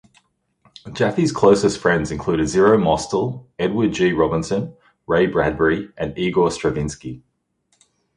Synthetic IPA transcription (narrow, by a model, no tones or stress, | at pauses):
d̥ʒ̥æfiz̥kʰl̥əʊsəstfɹɛ̃ndzɪ̃nkʰl̥ʉːɾɪdzɪɹəʊmɒstəlˠɛd̚wəd̚d͡ʒiːɹɒbɪ̃nsə̃n | ɹeɪbɹæd̚bəɹiʔə̃niːɡostɹ̥əvɪ̃nski